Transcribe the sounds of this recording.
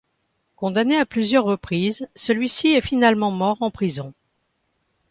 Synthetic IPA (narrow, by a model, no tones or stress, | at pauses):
kɔ̃d̪aneaplyzjœʁːəpχizsəlɥisiɛfinalmɑ̃mɔʁɑ̃pχizɔ̃